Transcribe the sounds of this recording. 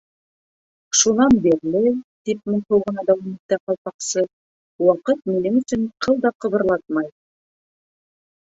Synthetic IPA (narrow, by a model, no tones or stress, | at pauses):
ʃunɑnbiɾlɘt̪ip̚mɘnhuwʁɤ̆nɑd̪æwɑmit̪ːæqɑlˠqɑqsɤ | wɑqɤt̪̚minɘŋɵ̆sɵnqʰɤlˠd̪ɑqɤ̆βɤ̆ɾlˠɑt̪̚mɑj